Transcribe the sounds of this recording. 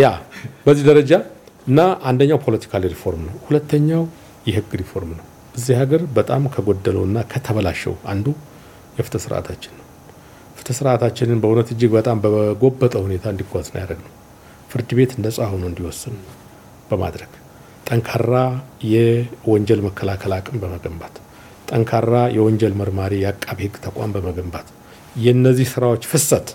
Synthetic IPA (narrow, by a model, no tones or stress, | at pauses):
jabəzːihd̪əɾəd͡ʒa | ʔɨnːaʔand̪əɲːawpʰo̞lət̪ʰi̥kʰaliɾifo̞ɾmnəwhulət̪ʰːəɲːaw | jɛhɨɡːɾifo̞ɾmnəw | ʔɨzːihaɡəɾbət̪ʼamkʰəɡo̞d̪ːələɨnːakʰət̪ʰəβəlaʃːɛ̰wa̰nd̪u | jɛfɨ̥t̪ʰəsɨɾʔa̰t̪ʰat͡ʃːɪnːəw | fɨ̥t̪ʰəsɨɾʔat̪ʰat͡ʃːɪnɨnbəhunət̪ɨd͡ʒːɪɡbət̪ʼambəɡo̞bːət̪ʼəhune̞t̪ʰaɨnd̪iɡʷazn̰jaɾəɡnəw | fɨɾd̪ɨbe̞t̪ɨnd̪əsʼaho̞nuɨnd̪iwɔsːɨn | b̥əma̰d̪ɾəɡ̥ | t̪ʼəŋkʰarːajɛwɔɲd͡ʒɛlməkʰːəlakʰəlakʼɨmbəməɡəmbat̪ | t̪ʼːəŋkʰarːajɛwɔɲd͡ʒɛlməɾmaɾijɛakʼːaβihɨɡːt̪ʰəkʷʼa̰mbəməɡəmbat̪ | jɛɨnːəzːihsɨɾawo̞t͡ʃːfɨsːət̪